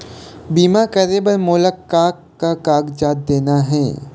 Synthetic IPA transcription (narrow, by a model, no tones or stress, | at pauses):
biːmakɐɾeːbɐɾmoːləkːaːkːakaːɡd͡ʒaːt̪̚d̪eːnaɦɛː